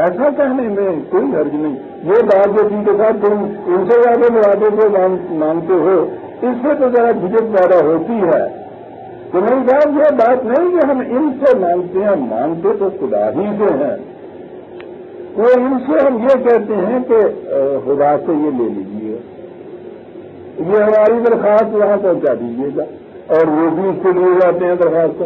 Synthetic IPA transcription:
ɛːsakɛɦnemẽkoːiɦɐɾd͡ʒnɐĩ | jebaːt̪̚d͡ʒet̪ɪkesʰaːt̪ːʊmɪnsejaːd̪emeɾaːd̪ẽk̬omaːŋmãːŋt̪eɦo | ɪsːet̪ozɐɾabʱɪd͡ʒəkzaːd̪aɦoːt̪iɦɛ̰ː | t̪omɛːnĩsaːt̪jebaːt̪nɐɦĩkeɦɐmɪnsemãːŋt̪eɦɛ̃mã̰ːŋt̪et̪oxʊd̪a̰ːɦiseɦɛ̃ː | oɪnseɦɐmjekɛɦt̪eɦɛ̃kexʊd̪aːsejelḛːlḭd͡ʒiɛː | jeɦɐmaːɾid̪ɐɾxaːst̪ʋɐɦãpɐ̃ɦʊ̃t͡ʃad̪iːd͡ʒeːɡaː | ɔːɾʋobʱikolied͡ʒaːt̪eɦɛ̃d̪ɐɾxaːst̪ko

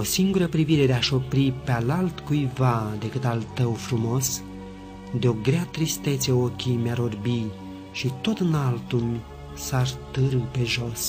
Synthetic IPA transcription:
o̞siŋɡuɾəpɾiviɾe̞d̪eaʃo̞pɾipealalt̪kujvad̪e̞kɨt̪alt̪əwfɾumo̞s | d̪eo̞ɡɾeat̪ɾist̪e̞t̪səo̞kʲimeaɾorbi | ʃit̪o̞t̪ɨnalt̪unʲ | sart̪ɨɾɨpe̞ʒo̞s

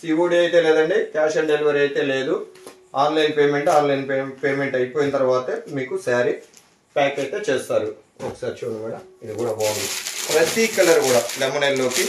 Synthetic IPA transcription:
siːʋoːɽiɐjt̪e̞ːleːd̪ɐɳɖikaːʃɐɳɖeliʋɐɾɐjt̪e̞ːle̞ːd̪u | aːnlɐjnpeːme̞ɳʈaːnlɐjnpepeːme̞ɳʈɐjipo̞ːjinɐt̪ɐɾɐʋaːt̪ɐmiːkusaːɾi | paːkɐjt̪eːt͡ʃeːst̪aːɾu | okːsaːɾt͡ʃoːnɐmiːɽɐid̪ikuːɽaːbaːnd̪ipɾɐt̪ikɐlɐɾkuːɽaːlɛmːɐnɐjllo̞ːki

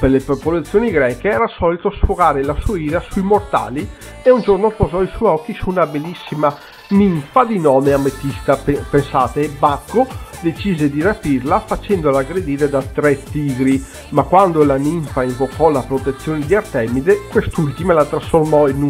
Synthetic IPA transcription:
pelepopolat̪sːjoːniɡɾɛːkeɛːɾasɔlit̪oasfoɡaːɾelasuaiːɾasuimort̪a̰ːli | eund͡ʒornopozɔisujɔkːisuːnabelːisːima | niɱfad̪inɔːmeamːet̪ːist̪aepensaːt̪ebakːod̪et͡ʃiːzed̪iɾapiɾlafat͡ʃɛnd̪olaɡɾed̪iːɾed̪at̪ɾɛt̪ːiːɡɾi | makːwand̪olaniɱfaiɱvokʰɔlapɾot̪et̪sːjoːnid̪iart̪ɛmid̪ekwest̪ult̪imalat̪ɾasformɔinu

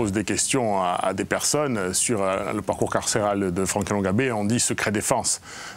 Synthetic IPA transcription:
ozd̪ekʲɛst̪jɔ̃a̰a̰d̪epɛʁsɔnsyʁləpaʁkuʁkaʁseʁald̪əfχɑ̃kalɔ̃ɡabeɔ̃d̪isəkχed̪efɑ̃s

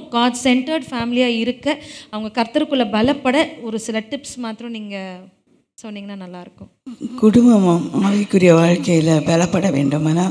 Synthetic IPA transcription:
ɡaːsɛɳʈɐɾɖfaːmɪlɪjaːɪɾɯkːɐɐʋɐŋɡɐkɐɾt̪ːɐɾɯkːɯɭːɐbɐlɐpːɐɽɐɔɾɯsɪlɐʈɪpsmaːt̪ɪɾɔ̃niːŋɡɐ | sɔnːiːŋɡɐnaːnɐlːaːɪɾɯkːʊ̃kʊɽʊmbɐmaaːʋɐkːʊɾɪjɐʋaːɻkɐjɪlɐbɐlɐpːɐɽɐʋeːɳɖɯmaːnaː

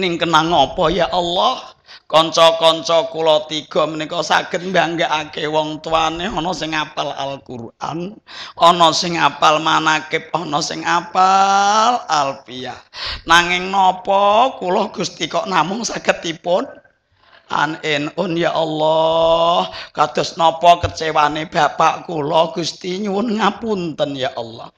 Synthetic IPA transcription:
nɪŋkənaŋːɔpɔjaʔɔlːɔh | kɔɲt͡ʃɔkɔɲt͡ʃɔkulɔt̪iɡ̥ɔ̤mənikɔsa̰ɡ̥ə̤t̪̚mba̤ŋɡaʔakewɔŋt̪uaneɔnɔsɪŋapala̰lkurʔa̰nɔnɔsɪŋapalmanakɪp̚ɔnɔsɪ̰ŋapalalpianaŋɪŋnɔpɔkulɔɡ̥ust̪ikɔʔnamʊŋsaɡ̥ət̪ipʊn | ʔa̰nʔɪnʔʊnjaʔɔlːɔhkad̪̥ɔ̤snɔpɔkət͡ʃewaneb̥a̤paʔkulɔhɡ̥ṳst̪iɲuwʊnŋapunt̪ənjaʔɔlːɔ̰h

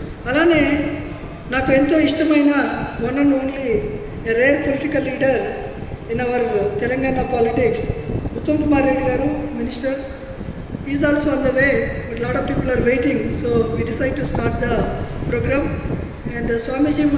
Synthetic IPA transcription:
ɐlaːne̞ː | naːkuent̪o̞ːiʂʈɐmɐjnɐʋɐnɐnoːnli | eɾeːɾpoliʈikɐlːiːɖɐɾ | inɐʋɐɾt̪ɛlɐŋɡaːnɐpaːliʈiksut̪ːɐmkumaːɾeɽuɡaːɾuminisʈɐɾ | izɔːlsoɐnd̪ɐʋeːbɐʈlaːʈɔʋpiːpɐlaːɾʋeːʈiŋsoːʋiːɖisajɖ̚ʈusʈaːʈ̚d̪ɐpɾoːɡɾaːm | ɛ̃ɳɖsʋaːmid͡ʒiːm

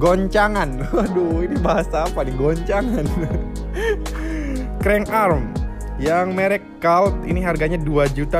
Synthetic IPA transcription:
ɡɔɲt͡ʃaŋan | doinibaɦasaːpalɪŋɡɔɲt͡ʃaŋan | kɾɛŋʔarm | jaŋmeɾɛkːalt̪̚ḭniɦarɡaɲaduad͡ʒut̪a

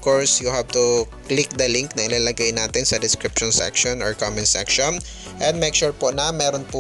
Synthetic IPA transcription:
koɹsjʊhab̚t̪ʊ | klɪk̚d̪ɐliŋk̚nɐŋʔɪlaːlɐɡajnaːt̪ɪnsɐd̪ɪskɾɪpʃɔnsɛ̰kʃonɔɹkomɛnsɛ̰kʃɔn | ʔɛnd̪̚mɛjk̚ʃuːɹponɐmɛːɾonpʊ

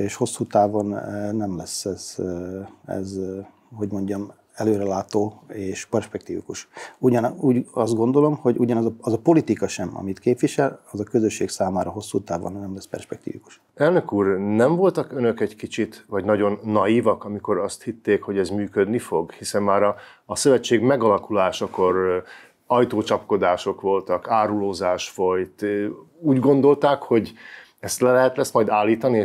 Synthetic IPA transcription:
eːʃho̞sːuːt̪aːvo̞nnɛmlɛsːɛz̥ | ɛ̰z | ɦo̞ɟmo̞ɲɟɒm | ɛløːɾɛlaːt̪oːeːʃpɛrʃpɛk̚t̪iːvḭkuʃuɟɒnuːɟɒst̪ɡo̞nd̪o̞lo̞mho̞ɟuɟɒnɒzɒɒzɒpo̞lit̪ikɒʃɛmɒ̰mit̪keːpʋiʃɛlɒzɒkø̞zøʃːeːksaːmaːɾɒɦo̞sːuːt̪aːvo̰nnɛmlɛspɛ̰rʃpɛk̚t̪ḭːviku̥ʃ | ɛlnøkuːrnɛɱvo̞lt̪ɒkønø̞kɛɟkit͡ʃit̪ʋɒɟnɒɟo̞nːɒjiːvɒkɒmiko̞ɾɒst̪hit̪ːeːkho̞ɟɛzmyːkød̪nifo̞ɡhisɛmmaːɾɒː | sø̞vɛt͡ʃːeːɡmɛɡɒlɒkulaːʃɒko̞ɾ | ɒjt̪oːt͡ʃɒpko̞d̪aːʃo̞kʋo̞lt̪ɒkaːɾuloːzaːʃfo̞jt̪uːɟɡo̞nd̪o̞lt̪aːkho̞ɟ | ɛst̪lɛlɛɦɛt̪lɛsmɒjd̪aːlːiːt̪ɒnieː

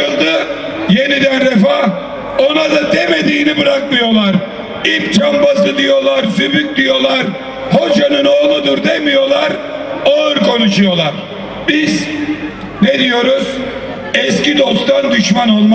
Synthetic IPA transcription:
ɯlˠd̪ɯ | je̞nid̪ænɾɛfah | o̞nad̪ad̪eme̞d̪iːnibɯɾakmɯjo̞lˠaɾ | ip̚t͡ʃʰambasɯd̪ijo̞lˠaɾsybyk̚ʲd̪ijo̞lˠaɾ | ho̞d͡ʒanɯno̞ːlˠud̪uɾd̪emijo̞lˠaɾaɯɾkʰo̞nuʃujo̞lˠaɾ | biz | ned̪ijo̞ɾuz̥ | ɛscid̪ost̪ʰand̪yʃmano̞lˠma

